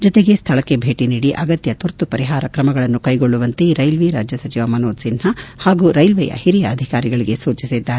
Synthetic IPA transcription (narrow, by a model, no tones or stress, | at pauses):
d͡ʒɔt̪eɡe̞st̪ʰɐɭɐkːe̞bʱeːʈiniːɽiʔɐɡɐt̪jɐt̪uɾt̪upɐɾiɦaːɾɐkɾɐmɐɡɐɭɐnːukɐjɡoɭːuʋɐnt̪eɾɐjlʋiɾaːd͡ʒjɐsɐt͡ʃiʋɐmɐnoːd̪sinɦɐhaːɡuːɾɐjlʋɛjɐ̰hiɾijɐːd̪ʱikaːɾiɡɐɭiɡe̞suːt͡ʃisid̪ːaːɾe